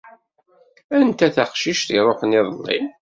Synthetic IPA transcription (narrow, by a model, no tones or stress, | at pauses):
ænt̪æθaχʃiʃθiɾˤoħnɪðˤlːḭ